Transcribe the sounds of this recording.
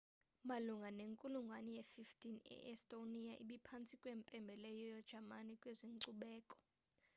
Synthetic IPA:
maluŋɡʱaneŋkʼuluŋɡʱwanijefiftʰʼinɛ̰ʔɛstʼonijaʔiɓipʰant͡sʰʼikʼweːmpʼɛmbʱɛlɛjɔjɔd̥ʒ̥ʱamanikʼweziŋǀuɓɛːkʼɔ̥

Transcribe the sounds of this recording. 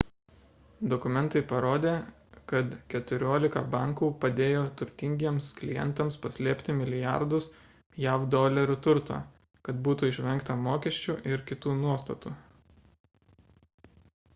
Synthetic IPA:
d̪ɔkʊmʲɛnˑt̪ɐɪpɐɾoːd̪ʲeː | kɐt̪kʲɛt̪ʊɾʲoːlʲɪkɐbɑˑŋkuːpɐd̪ʲeːjoːt̪ʊɾʲt̪ʲɪŋʲɡʲiɛmsklʲɪjɛ̰nt̪ɐmspɐsʲlʲiːpʲt̪ʲɪmʲɪlʲɪjɑ̰ɾd̪ʊs | jæʊd̪oːlʲɛɾʲʊt̪ʊɾt̪o̰ː | kɐt̪buːt̪uːɪʃʲʋʲɛŋˑkt̪ɐmoːkʲɛʃʲt͡ʃʲuːʔɪɾkʲɪt̪uːnuɔst̪ɐt̪uː

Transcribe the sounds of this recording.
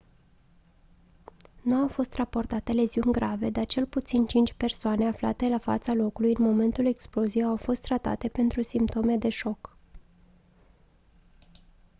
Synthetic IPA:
nuawfo̞st̪rapo̞rt̪at̪e̞le̞ziunʲɡɾave̞d̪art͡ʃe̞lput̪sint͡ʃint͡ʃʲpe̞rsoane̞afla̰t̪e̞lafa̰t̪salo̞kulujɨnmo̞me̞nt̪ule̞ksplo̞zijeawfo̞st̪ːɾat̪a̰t̪e̞pe̞nt̪ɾusimpt̪o̞me̞d̪e̞ʃo̞k

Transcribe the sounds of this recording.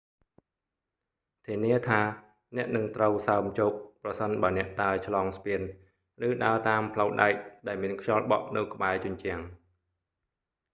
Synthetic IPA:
t̪ʰiəniət̪ʰaː | nɛ̆əʔnɨŋt̪rəwsaəmt͡ɕoːp̚prɑsənɓaənɛ̆əʔt̪aət͡ɕʰlɑːŋspiən | rɨːɗaət̪aːmpʰləwɗaɛk̚ɗaɛlmiənkʰɲɑlɓɑ̰ʔnɨwkə̆ɓaɛt͡ɕʊ̆ɲt͡ɕɛ̆əŋ

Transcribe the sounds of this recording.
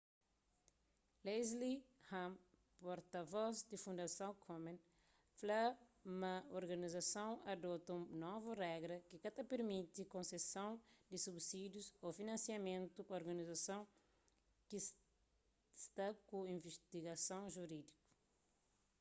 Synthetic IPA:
lejzlihãm | poɾt̪ɐvɔzd̪ɪfũnd̪ɐsɐ̃w̃kʰomẽn | flamɐoɾɡɐnizɐsɐ̃w̃ad̪ɔt̪ɐũnɔvurɛɡɾɐkikat̪ɐpeɾmit̪ikõsesɐ̃w̃d̪ɪsubsid̪juzofinɐ̃nsjɐmẽnt̪upɐoɾɡɐnizasɐ̃w̃ | ki | st̪akuĩveʃt̪iɡɐsɐ̃w̃ʒuɾid̪iku̥

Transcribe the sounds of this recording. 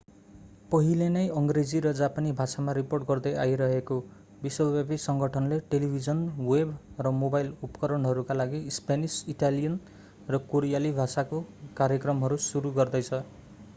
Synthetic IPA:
pʌɦilenʌjʌŋɡred͡ziɾʌd͡zapanibʱasamaɾiporʈɡʌrd̪ʌjaiɾʌɦeko | bisʌlwebisʌŋɡʱʌʈʰʌnleʈelibʱid͡zʌnwebrʌmobajlupkʌɾʌnɦʌɾukalaɡispanisiʈalijʌn | rʌkoɾijalibʱasakokaɾjʌkrʌmɦʌɾusuɾuɡʌrd̪ʌjt͡sʰʌ

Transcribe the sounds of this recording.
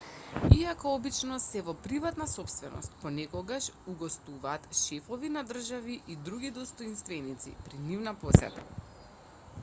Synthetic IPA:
iakɔɔbit͡ʃnɔsɛvɔpɾivat̪nasɔpst̪vɛnɔ̰st̪̚pɔnɛkɔɡaʃuɡɔst̪uvaːt̪ʃɛfɔvinad̪r̩ʒaviʔid̪ɾuɡid̪ɔst̪ɔinst̪vɛnit̪sḭpɾinivnaposɛ̰t̪a̰

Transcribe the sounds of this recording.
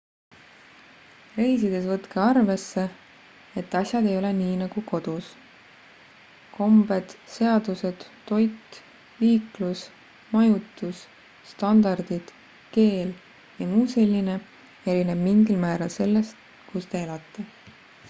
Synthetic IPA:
re̞jsid̪̥e̞svɤt̪keɑrve̞sːe̞ | et̪ːˑɑsʲjɑd̪e̞jo̞le̞niːnɑɡ̥uko̞d̪̥us | ko̞mbe̞d̪̥se̞ɑd̪use̞d̪̥ːo̞jt̪ː | iːklus | mɑjut̪ːˑusː | t̪ɑnd̪ɑrd̪̥id̪̥ | ke̞ːl | jɑmuːse̞lʲːine̞ | e̞ɾineb̥miŋɡilmæːɾɑlse̞lːe̞st̪ | kust̪e̞elɑt̪ˑːe̞

